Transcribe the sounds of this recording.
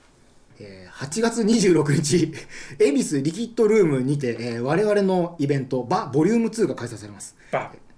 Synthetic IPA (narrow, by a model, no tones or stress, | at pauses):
eːhat͡ɕiɡat͡sɨɲ̟iʑɨːɾo̞kɯ̟ɲ̟it͡ɕie̞mʲisɨɾʲikʲit̪ːo̞ɾɯ̟ːmɯ̟ɲ̟it̪̬e̞ʔːβ̞aɾe̞β̞aɾe̞no̞ibẽ̞nt̪o̞babo̞ɾʲɯːmɯ̟t͡sɨːɡakaisaisaɾe̞masɨ̥